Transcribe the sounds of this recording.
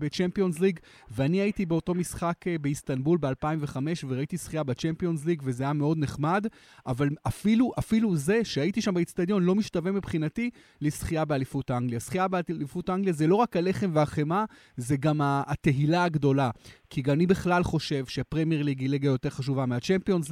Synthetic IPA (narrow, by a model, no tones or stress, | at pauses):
bet͡ʃempio̞nzliɡ | veaniait̪ibe̞oto̞misχakbeist̪anbulbealpaimveχame̞ʃveʁaitisχijabet͡ʃempio̞nzliɡvezeajameo̞dne̞χmad | avalafiluʔafiluze̞ʃeaitiʃambeist̪ad̪jo̞nlo̞miʃtave̞mipχinati | lesχijabealifutaaŋɡlijasχijabelifutaʔaŋɡlijazelo̞ʁakhale̞χemveaχe̞ma | zeɡamaːt̪e̞ilaːɡdo̞lakʰiɡamːnibeχlalχo̞ʃe̞vʃeapʁemjeʁliɡiliɡajo̞te̞ʁχaʃ̬uvameat͡ʃempio̞nz